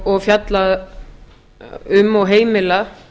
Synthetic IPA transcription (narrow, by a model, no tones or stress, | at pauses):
ɔɣfjat̪lað | ʏmːɔɣɦeːjmɪla